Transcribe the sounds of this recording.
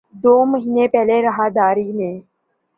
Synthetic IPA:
d̪oːməɦiːnepɛɦleɾɐɦaːd̪aːɾiːnẽː

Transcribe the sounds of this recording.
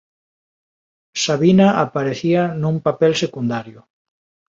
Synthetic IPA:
saβinaʔapaɾeθianũŋpapɛlsekund̪aɾjʊ

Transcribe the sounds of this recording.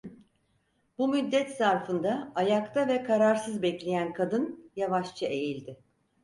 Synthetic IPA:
bumyd̪ːɛt̪saɾfɯnd̪aːjakt̪ʰavɛkʰaɾaɾsɯzbɛclʲe̞jænkʰad̪ɯnjavaʃt͡ʃʰɯe̞jilʲd̪ɪ

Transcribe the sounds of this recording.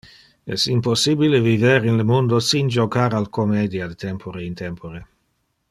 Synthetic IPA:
ɛ̰simposːibileviveɾinlemund̪osind͡ʒokaɾalkomed̪jad̪et̪ɛmpʰoɾeint̪ɛmpoɾe

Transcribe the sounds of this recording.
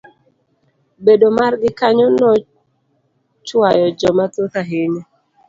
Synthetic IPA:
bedomarɡɪkaɲɔnɔ | t͡ʃwajɔd͡ʒɔmatot̪aɦeɲɛ

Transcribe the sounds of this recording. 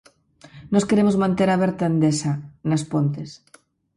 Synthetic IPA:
noskeɾemozmãnt̪eɾaβeɾt̪and̪esanɐspont̪es

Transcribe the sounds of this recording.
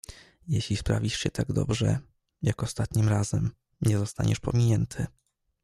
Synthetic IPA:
jɛɕlʲispɾavʲiʂɕɛt̪aɡd̪ɔ̰bʐɛ̰ | jakɔst̪at̪ɲimɾazɛm | ɲɛzɔst̪a̰ɲɛʂpɔ̰mʲiɲɛnt̪ʰɘ

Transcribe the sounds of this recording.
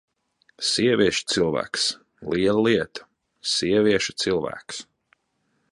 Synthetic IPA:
siɛvʲiɛʃu̥t̪silˠvæ̰ːks | liɛlˠəliɛt̪ḁ | siɛviɛʃu̥t̪silˠvæ̰ːks

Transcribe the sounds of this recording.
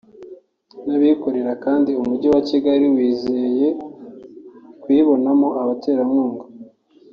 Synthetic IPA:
naβikoɾe̞ɾakaːndiumuɟowaciɡaɾiwiːzeje̞ | kwiːβo̞namo̞aβate̞ːɾamŋuːŋɡo

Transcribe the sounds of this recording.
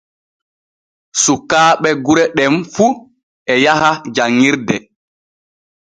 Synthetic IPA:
sukːaːɓɛɡuɾɛɗɛmfu | ɛjahad͡ʒaŋːiɾdɛ

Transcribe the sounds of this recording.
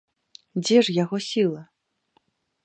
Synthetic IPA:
d͡zʲɛʐjaɣɔsʲilˠɐ

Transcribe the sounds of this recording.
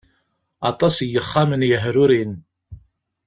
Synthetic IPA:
ɑt̪ˤɑsjəχːæmənjəɦɾʊɾin

